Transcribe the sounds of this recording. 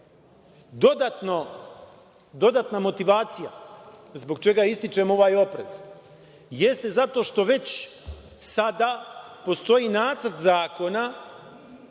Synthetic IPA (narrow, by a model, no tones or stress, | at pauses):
d̪od̪at̪no | d̪o̞d̪at̪namo̞t̪iʋaːt̪sijazbo̞ɡ̚t͡ʃe̞ɡaist̪it͡ʃe̞mo̞ʋaːjo̞pɾe̞̰z̥ | je̞st̪e̞zat̪o̞ʃt̪o̞ʋe̞t͡ɕ | sad̪aːpo̞st̪o̞jiːnaːt̪srt̪zaːko̞na